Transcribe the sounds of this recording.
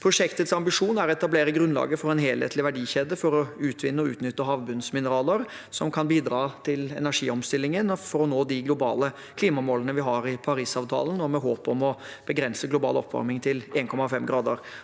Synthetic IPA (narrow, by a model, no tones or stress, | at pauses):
pʰɾʊʂɛkt̪ət̪sɑmbɪʂuːnæɾɛt̪ɑbleːɾəɡɾʉnlɑ̰ːɡəfɔɾɛnɦeːlhḛːt̪ʰlɪʋæɖiːçeːd̪əfɔɾɔʉːt̪ʰʋɪnːəɔʉ̰ːt̪nʏt̪ːəɦɑːʋbʉnsmɪnəɾɑːləɾ | sɔmkʰɑnbiːd̪ɾɑːt̪ʰɪlɛ̰næʂiːɔmst̪ɪlːɪŋənfɔɾɔnoːd̪ɪɡlʊbɑ̰ːlə | kʰliːmɑmoːlənəʋɪɦɑɾɪpʰɑɾiːsɑːʋt̪ʰɑ̰ːlənɔmɛɦoːpɔmɔb̥əɡɾɛnsəɡlʊbɑ̰ːlɔ̰pʰːʋɑ̰ɾmɪŋt̪ʰɪleːnkʰɔmɑfɛmɡɾɑːd̪əɾ